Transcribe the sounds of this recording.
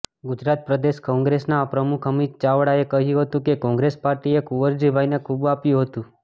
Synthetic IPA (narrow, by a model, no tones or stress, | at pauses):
ɡud͡ʒɾat̪̚pɾəd̪eʃkɔ̃ŋɡɾesnapɾəmukʰəmit̪̚t͡ʃaʋɽaekəɦjũɦət̪ũkekɔ̃ŋɡɾespaɾʈiekuʋəɾd͡ʒibʱajnekʰubapjũɦət̪ũ